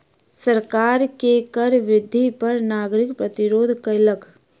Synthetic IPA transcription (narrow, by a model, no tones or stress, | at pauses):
səɾkaːɾkekəɾʋɾɪd̪ʱːipɐɾnaːɡɾɪkpɾɐt̪ɪɾoːd̪ʱkələkʰ